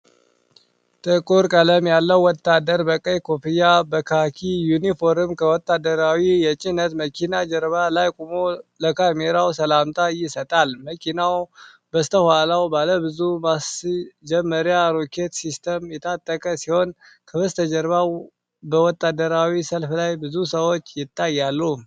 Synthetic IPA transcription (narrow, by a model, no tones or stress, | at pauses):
t̪ʼɨkʼuɾkʼələmjalːəwwːɔt̪ːad̪əɾbəkʼəjkʰopʰijabəkʰakʰijunifoɾɨmkʰəwɔt̪ʼːad̪əɾawijɛt͡ʃʼinət̪məkʰinad͡ʒəɾβalajkʼumoləkʰameɾawsəlamt̪ʼajɪsət̪ʼalməkʰinaw | bəst̪ʰəhwalawbaləbɨzumasd͡ʒɛmːəɾjaɾokʰet̪sist̪ʰəmjɛt̪ʰat̪ʼːəkʼəsiho̞n | kʰəβɨst̪ʰəd͡ʒəɾβaw | bəwɔt̪ʼːad̪əɾawisəlflajbɨzusəwot͡ʃːjɪt̪ʼːajːalːum